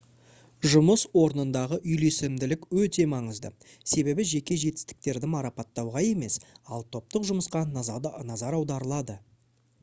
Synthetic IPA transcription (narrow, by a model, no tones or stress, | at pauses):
ʒʊməswo̞ɾənənd̪ɑʁəʔʏjle̞sɪmd̪ɪlɪkwɵt̪e̞mɑɴəzd̪ə̰ | se̞be̞bɪʒe̞kʲe̞ʒe̞t̪ɪ̥st̪ɪ̥k̚t̪e̞ɾd̪ɪmɑɾɑpɑt̪ːɑwʁɑje̞me̞sɑlˠt̪ʰo̞p̚t̪əqʒʊməsqɑnɑzɑɾɑwd̪ɑɾəlˠɑd̪ə